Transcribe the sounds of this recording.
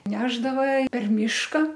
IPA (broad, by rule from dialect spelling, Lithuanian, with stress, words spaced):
ˈnʲæːʒdɐʋɐ pʲɛr ˈmʲiːʃkɐ